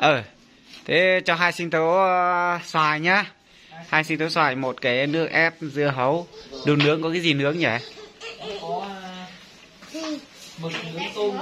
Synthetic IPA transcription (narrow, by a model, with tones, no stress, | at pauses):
ʔəː˨˩ | t̪ʰe˨˦t͡ɕɔ˧ɦaː˧jsï˧ŋ̟t̪o˨˦ | swaː˧˩jɲaː˧ | haː˧jsi˧ŋt̪o˨˦swaː˧˩jmo˨˩t̚kaː˨˦jnɨ˦˥ək̚ʔɛ˦˥p̚zɨ˧əɦə˨˦wɗu˨˩nɨ˨˦˥əkŋkɔ˨˦kaː˨˦jzi˨˩nɨ˨˦˥ək̚ɲɛ̰˧˩˨